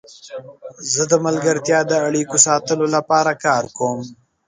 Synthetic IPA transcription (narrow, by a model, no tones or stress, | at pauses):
zəd̪əmalɡəɾt̪jɑd̪əaɽikosɑːt̪əlolapɑɾakɑːɾkoːm